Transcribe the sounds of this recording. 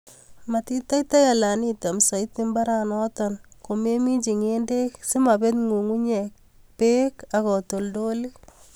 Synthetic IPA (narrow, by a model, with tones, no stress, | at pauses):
ma˨ti˦ta˦jta˦ja˨la˨ni˦ta˨msa˨it̪ɪ˦mba˦ɾa˨nɔ˦tɔnko˨me˦mi˦t͡ʃi˨ŋe˦nde˦ksi˦ma˨be˦tŋu˨ŋu˦ɲɛ˨k̚ | pe˦ka˨kɔ˨to˨ldo˦li˦